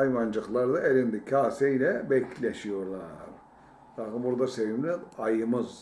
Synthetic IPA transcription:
jmand͡ʒɯklˠaɾd̪aelʲind̪icʰaːsejlʲɛbɛclʲeʃijo̞ɾlˠaɾ | d̪akɯmbuɾd̪asevimlʲiajɯmɯz

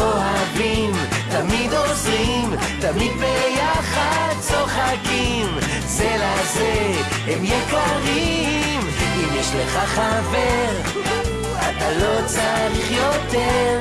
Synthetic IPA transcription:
oɦavim | t̪amid̪ozʁim | t̪amid̪bejaχad̪̚t͡so̞χaki | m | zelaze | hɛmjekaʁi | m | imjɛʃleχaχaveʁ | at̪alo̞t͡saʁiχjot̪eʁ

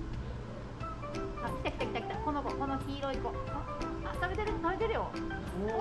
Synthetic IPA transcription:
akʲi̥t̪aki̥t̪akʲi̥t̪aki̥t̪akonobokonoçiːɾo̞ikokoat̪abe̞t̪eɾɯ̟t̪abe̞t̪e̞ɾɯ̟jo

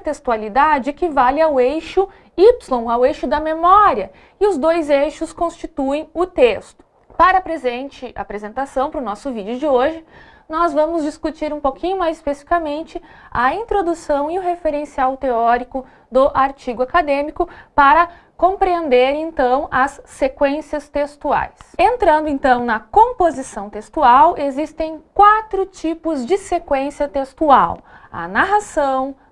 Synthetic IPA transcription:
t̪est̪ualid̪ad͡ʒɪkɪvalɪawejʃʊ | ipslõw̃awejʃʊd̪ɐmemɔɾiɐ | ɪʊzd̪ojzejʃʊskõst͡ʃit̪uẽj̃ʊt̪est̪ʊ̥ | paɾɐapɾezẽnt͡ʃɪa̰pɾezẽnt̪asɐ̃w̃pɾʊnɔsʊvid͡ʒɪʊd͡ʒɪoʒɪnɔzvɐ̃mʊzd͡ʒiskut͡ʃiɾũpokʰĩɲʊmajzispesi̥fi̥kɐmẽnt͡ʃɪɐĩnt̪ɾod̪usɐ̃w̃ɪʊɦefeɾẽsiawt̪eɔɾikʊ | d̪ʊʔaɾt͡ʃiɡʊakad̪ẽmikʊpaɾɐ | kõpɾiẽnd̪eɾẽnt̪ɐ̃w̃ɐsːekwẽsiɐst̪est̪ua̰jsẽnt̪ɾɐ̃nd̪ʊẽnt̪ɐ̃w̃nɐkõpozisɐ̃w̃t̪est̪uawezist̪ẽj̃kwat̪ɾʊt͡ʃipʊzd͡ʒɪsekwẽsiɐt̪est̪uaw | ɐ̰naɦasɐ̃w̃

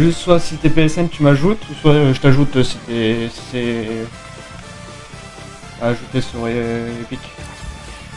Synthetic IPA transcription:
ʒyst̪swasiset̪ɛpeɛsɛnt̪ymaʒut̪uswaʒət̪aʒut̪øsit̪ɛsi̥sɛ | aːʒut̪esyʁeepikʲ

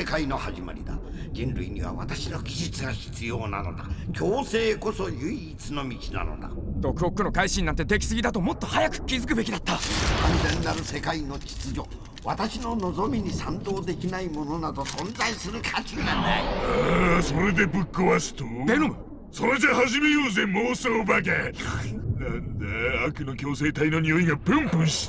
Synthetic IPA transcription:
e̞kaino̞haʑima̰ɾʲḭd̪a̰ | d͡ʑĩnɾɯiɲ̟ḭβa̰βa̰t̪aɕino̞ɡʲiʑit͡sɨɡaçi̥t͡sɨjo̞ːna̰no̞̰d̪a̰kʲo̞ːse̞ːko̞so̞jɯ̟iːt͡sɨno̞mʲit͡ɕina̰no̞̰d̪a̰d̪̥o̞kɯ̟okːɯno̞kaiɕĩnːãnt̪e̞d̪e̞kʲi̥sɨɡʲit̪at̪o̞mo̞t̪ːo̞hajakɯ̟̥kʲizɨk̬ɯ̟be̞kʲid̪at̪ːakãnzẽ̞nːaɾɯ̟se̞kaino̞t͡ɕi̥t͡sɨd͡ʑo̞ | βat̪aɕino̞no̞zo̞mʲiɲ̟isãnd̪o̞ːd̪e̞kʲinaimo̞no̞nad̪o̞sõ̞nd͡zaisɨɾɯ̟kʰat͡ɕinanaiasoɾe̞d̪e̞bɯ̟kːoβasɨ̥t̪od̪enom | soɾedehaʑimejoːzemoːsoːbak̬e | nand̪eakɯ̟no̞kʲo̞ːse̞ːt̪aino̞ɲioiŋapɯ̃mpɯ̃ɰ̃ɕi̥

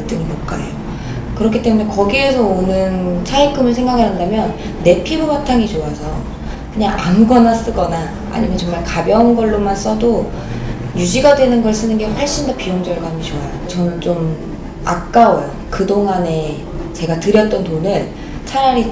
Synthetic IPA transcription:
t͈ɯŋimokk͈a̰ḛjo | kɯɾʌkʰit͈e̞mune̞kʌɡie̞sʰʌonɯnt͡ɕʰaikʰɯmɯɭs̬ʰe̞ŋɡakʰanɦandamjʌnː | e̞pʰibumatʰaŋit͡ɕoasʰʌ | kɯɲaŋʔaŋɡʌnas͈ɯɡʌna̰ː | ɲimjʌnt͡ɕʌŋmaɭkabjʌunɡʌɭːomans͈ʌdo | jud͡ʑiɡadwe̞nɯnɡʌɭs͈ɯnɯnɡe̞ɸwʌɭɕ͈indopijoŋd͡ʑʌɭɡaamɡet͡ɕoajot͡ɕʌnɯnt͡ɕom | ak̚k͈aʌjo | kɯdoŋɦane̞ | t͡ɕe̞ɡatɯɾjʌt̚t͈ʌntonɯɭ | t͡ɕʰaɾaɾi

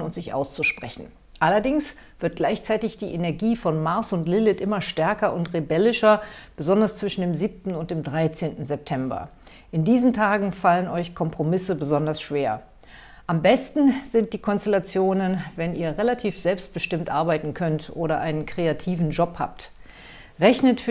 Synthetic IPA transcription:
ʊntz̥ɪçʔa̰ʊst͡suʃpʁ̥ɛ̰çn̩ | ʔalɐdɪŋs | v̥ɪɐt̚ɡ̥laɪçt͡saɪtɪçd̥iːʔenɛɐɡiːfɔnmaɐsʊntlɪlɪtʔɪmɐʃtɛɐkɐʔʊntʁebɛlɪʃɐb̥əzɔndɐst͡sv̥ɪʃn̩deːmziːp̚tn̩ʊnt̚d̥eːmdʁaɪt͡seːntn̩zɛp̚tʰɛmbɐ̰ | ʔɪndiːzn̩tʰaːɡŋ̩falənɔʏçkʰɔmpʁ̥omɪsəbəzɔndɐsʃv̥eːɐ | ʔambɛstn̩zɪnt̚d̥iːkʰɔnstɛlat͡sjoːnənvɛniːɐʁelatʰiːfz̥ɛlpst̚b̥əʃtɪmtʔaɐbaɪtn̩kʰœntʔoːɾɐʔa̰ɪnənkʁ̥eatʰiːvn̩d͡ʒɔpha̰ːp̚t | ʁɛçnətfy

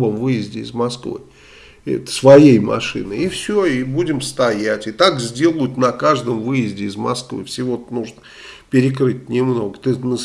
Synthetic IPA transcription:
omvɨjɪzʲdʲɪɪzmɐskvɨ̰ | svɐjejmɐ̰ʂɨ̰nɨifsʲoibudʲɪmst̪ɐjætʲɪt̪akzʲdʲe̞lˠʊjʊt̪nɐkaʐd̪əmvɨjɪzʲdʲɪɪzmɐ̰skvɨ̰fsʲɪvo̞t̪nuʐnə | pʲɪɾʲɪk̬ɾɨtʲnʲɪmno̞ɡət̪ɨnə

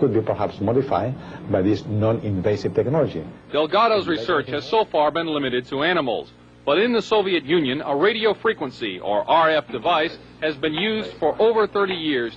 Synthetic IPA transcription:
kʊd̪̚bipə˞hapsmɔdifa̰jdbajðisnɔ̃nĩnveɪsivt̪ɛknɔlɔd͡ʒḭd̥ɛlˠɡɑɾoʊzɹisɜ˞t͡ʃhɨz̥soʊfɑɹbɨ̃nlɪ̃mɨɾɨd̚tʰəæñəml̩ˠz̥ | b̥ʌɾɪ̃nðəsoʊviɨt̚jʉ̃njɨ̃nəɹeɪɾioʊfɹikwə̃nsḭə̰˞ʔɑɹɛfd̥ɨvaɪs | hɨzbɨ̃njʉzd̥fə˞ʔoʊvə˞θɜ˞ɾijɪɹz̥

